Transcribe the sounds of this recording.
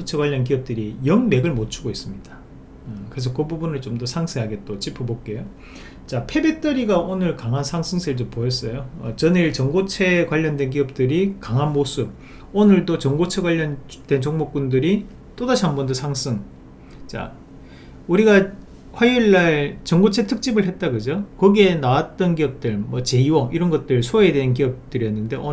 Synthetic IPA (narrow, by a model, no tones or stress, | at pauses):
ot͡ɕʰekwaʎːʌnk̬iʌp̚t͈ɯɾijʌŋme̞ɡɯɭmot͡ɕʰuɡois͈ɯmɲid̥a | kɯɾes̬ʰʌkɯbubunɯɭt͡ɕomdʌsʰaŋsʰeɦaɡe̞t͈ot͡ɕipʰɯbok͈̚e̞jo | t͡ɕapʰe̞be̞t͈ʌɾiɡaʔonɯɭkaŋɦansʰaŋsʰɯŋsʰeɯɭt͡ɕompoʌs͈ʌjoʌt͡ɕʌniɭt͡ɕʌŋɡot͡ɕʰe̞kwaʎːʌndwe̞nk̬iʌp̚t͈ɯɾikaŋɦanmosʰɯb̚ | onɯɭdot͡ɕʌŋɡot͡ɕʰeɡwaʎːʌnd̥we̞nt͡ɕʌŋmok͈undɯɾi | t͈odaɕʰiɦanbʌndɯsʰaŋs͈ʰɯŋ | t͡ɕa̰ | uɾiɡa | ɸwajuɭːaɭt͡ɕʌŋɡot͡ɕʰe̞tʰɯk̚t͡ɕ͈ibɯɭɦe̞t̚t͈aɡɯd͡ʑokʌɡienawat̚t͈ʌnkiʌp̚t͈ɯɭmwʌt͡ɕe̞iwʌiɾʌnɡʌt̚t͈ɯɭsʰoede̞ɦank̬iʌp̚t͈ɯɾiʌnːɯnde̞o